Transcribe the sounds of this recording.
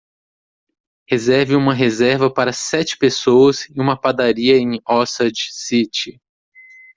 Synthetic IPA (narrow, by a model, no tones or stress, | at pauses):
hezɛɾvɪũmɐɦezɛɾvɐpaɾɐsɛt͡ʃɪ̥pesowɐsɪũmɐpad̪aɾiɐẽj̃ɔsɐd͡ʒsit͡ʃɪ